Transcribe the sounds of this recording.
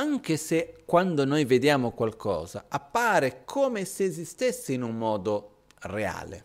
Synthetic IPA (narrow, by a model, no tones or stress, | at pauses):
aŋk̟esekːwand̪onojved̪jaːmokwalkʰɔ̰ːza̰apːaːɾekʰoːmeseːzist̪esːiinuŋmɔːd̪o | rea̰ːlḛ